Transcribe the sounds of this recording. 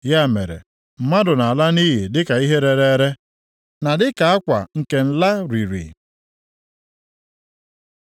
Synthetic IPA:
ja˦˨mḛ˨ɾḛ˨ | m̩˨ma˦dʊ˨na˨a˨la˦ni˦ɦi˨dɪ˦ka˨i˦ɦe˦ɾe˦ɾe˦ɾe˦ | na˨dɪ˦ka˨a˦kʷa̰˨ŋ̩˨ke˨n̩˨la˦ɾi˨ɾḭ˨

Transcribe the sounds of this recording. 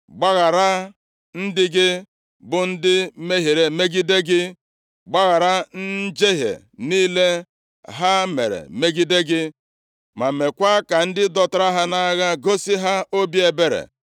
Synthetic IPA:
ɡ͡ba˦ɣa˨ɾa˦ | n̩˦dɪ˦ɡɪ˦ | bʊ˨n̩˦dɪ˦me˦ɦe˨ɾe˨me˦ɡi˦de˦ɡɪ˦ | ɡ͡ba˦ɣa˨ɾa˦n̩˦d͡ʒe˦ɦḛ˨ | niː˦le˦ | ɦa˦mḛ˨ɾḛ˨me˦ɡi˦de˦ɡɪ˦ | ma˨me˨kʷa˦ka˨n̩˦dɪ˦dɔ˦ta˦ɾa˦ɦa˦na˦ɣa˦ɡo˦si˦ɦa˦o˦bi˦e˨be˦ɾḛ˨

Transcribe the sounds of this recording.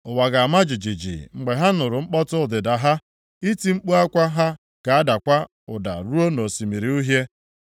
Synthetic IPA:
ʊ˨wa˨ɡa˨a˨ma˦d͡ʒi˨d͡ʒi˨d͡ʒḭ˨ŋ͡m̩˨ɡ͡be˨ɦa˦nʊ˨ɾʊ˨ŋ͡m̩˦k͡pɔ˦tʊ˦ʊ˨dɪ˨da˨ɦa˦ | i˦ti˦ŋ͡m̩˦k͡pu˦a˦kʷa˦ɦa˦ | ka˨a˦da˨kʷa˦ | ʊ˨da̰˨ɾu˦o˦no˨si˨mi˨ɾi˨u˦ɦje˦

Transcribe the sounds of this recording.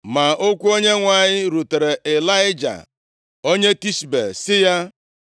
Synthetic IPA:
ma˨ʔo˦kʷu˦o˦ɲe˦ŋʷa˨ɲɪ˦ɾu˨te˨ɾe˨ʔe˨la˦ɪ˦d͡ʒa̰˨ | o˦ɲe˦ti˦ʃbḛ˨sɪ˦ja˦

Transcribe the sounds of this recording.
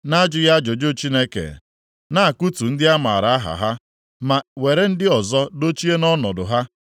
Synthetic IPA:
na˦d͡ʒɪ˦ja˦d͡ʒo˨d͡ʒo˦t͡ʃi˦ne˦kḛ˨ | na˦a˨ku˦tu˨n̩˦dɪ˦a˦ma̰˨ɾa˨a˦ɦa̰˨ɦa˦ | ma˨we˨ɾe˦n̩˦dɪ˦ɔ˨zɔ˦do˦t͡ʃi˦e˦nɔ˦nɔ˨dʊ˨ɦa˦

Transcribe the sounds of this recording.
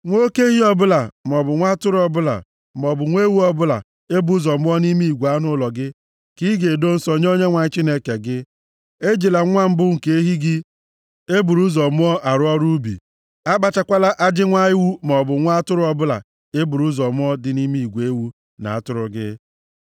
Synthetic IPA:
ŋʷo˦ke˦ɦi˦ɔ˦bʊ˦la˨m˨ɔ˨bʊ˨ŋʷa˦tʊ˦ɾʊ˦ɔ˦bʊ˦la̰˨ | m˨ɔ˨bʊ˨ŋʷe˦wu˦ɔ˦bʊ˦la̰˨ | e˦bu˦zɔ˨mʊ˦ɔ˦ni˦mi˦i˨ɡʷu˨a˦nʊ˦lɔ˨ɡɪ˦ | ki˦ɡe˨do˦n̩˦sɔ˨ɲ˦o˦ɲe˦ŋʷa˨ɲɪ˦t͡ʃi˦ne˦ke˨ɡɪ˦ | e˦d͡ʒi˨la˨ŋʷa˦m̩˦bʊ˦ŋ̩˨ke˦ɦi˦ɡɪ˦ | e˦bu˨ɾu˦zɔ˨mʊ˦ɔ˦ʔa˨ɾʊ˦ɔ˦ɾu˦bḭ˨ | a˦ba˨t͡ʃa˦kʷa˦la˦ʔa˦d͡ʒɪ˦ŋʷa˦ɪ˦wu˦m˨ɔ˨bʊ˨ŋʷa˦tʊ˦ɾʊ˦ɔ˨bʊ˦la̰˨ | e˦bu˨ɾu˦zɔ˨mʊ˦ɔ˦dɪ˨ni˦mi˦i˨ɡʷe˦wu˦ | na̰˨a˦˨tʊ˦ɾʊ˨ɡɪ̰˦

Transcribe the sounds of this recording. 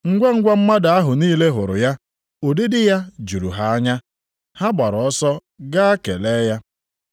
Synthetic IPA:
ŋ̩˦ɡʷa˦ŋ̩˦ɡʷa˦m̩˦ma˦da˨a˦ɦʊ˨niː˦le˦ɦʊ˨ɾʊ̰˨ja˦ | o˨dɪ˦dɪ˦ja˦d͡ʒu˨ɾṵ˨ɦa˦a˦ɲa˦ | ha˦ba˨ɾɔ˨ɔ˦sɔ˦ | ɡa˦a˦ke˨leː˦ja˦

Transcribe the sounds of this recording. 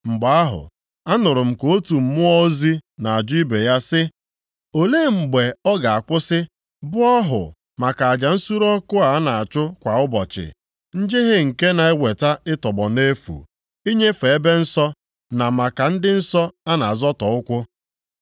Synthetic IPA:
ŋ͡m̩˨ɡ͡ba˨a˦ɦʊ̰˨ | a˦nʊ˨ɾʊ˨m̩˨ko˦tu˨m̩˨mʊ˦ɔ˦zi˦na˨a˨d͡ʒʊ˦i˦be˨ja˦sɪ˦ | o˨le˦ŋ͡m̩˨ɡ͡be˨ɔ˦ɡa˨a˨kʷʊ˦sɪ˦ | bʊ˦ɔ˦ɦʊ̰˨ | ma˨ka˨a˨d͡ʒa˨n̩˦su˦ɾɔ˦kʊ˦a˨a˦na˨a˨t͡ʃʊ˦kʷa˨ʊ˦bɔ˨t͡ʃɪ̰˨ | n̩˦d͡ʒɪ˦ɦɪ˦ŋ̩˨ke˦na˨e˦wʷe˨ta˦ɪ˦tɔ˨ɡ͡bɔ˨ne˦fṵ˨ | i˦ɲe˦fe˨e˦be˦n̩˦sɔ˦ | na˨ma˨ka˨n̩˦dɪ˦n̩˦sɔ˦a˦na˨a˨zɔ˦tɔ˨ʊ˦kʷʊ˦

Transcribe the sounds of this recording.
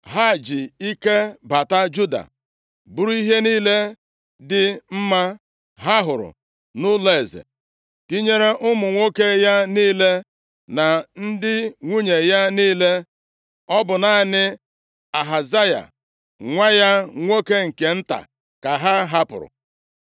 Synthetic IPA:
ɦa˦˨d͡ʒɪ˨i˦ke˦ba˨ta˦d͡ʒu˦da̰˨ | bʊ˦ɾu˦i˦ɦe˦niː˦le˦ | dɪ˨m̩˦ma˦ | ɦa˦ɦʊ˨ɾʊ̰˨ | nʊ˦le˦˨zḛ˨ | ti˦ɲe˦ɾe˦ʔʊ˦mʊ˨ŋʷo˦ke˦ja˦niː˦le˦ | na˨n̩˦dɪ˦ŋʷu˦ɲe˨ja˦niː˦le˦ | ɔ˦bʊ˨na˨˦nɪ˦ | a˨ɦa˨za˦ja̰˨ | ŋʷa˦ja˦ŋʷo˦ke˦ŋ̩˨ke˨n̩˦ta̰˨ | ka˨ɦa˦ɦa˦pʊ̰˨ɾʊ̰˨

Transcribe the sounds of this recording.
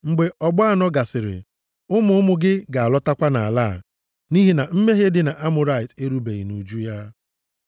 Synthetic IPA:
ŋ͡m̩˨ɡ͡be˨ɔ˨ɡ͡bɔ˦a˦nɔ˦ɡa˨sɪ˨ɾɪ̰˨ | ʊ˦mʊ˦ʊ˦mʊ˦ɡɪ˦ɡa˨a˨lɔ˦ta˦kʷa˦na̰˨a˨laː˦˨ | ni˦ɦi˦na˨m̩˦me˦ɦe˦dɪ˨na˨ʔa˦mʊ˨ɾa˦ɪ˨te˦ɾu˦be˨ɣḭ˨nu˨d͡ʒu˦ja˦

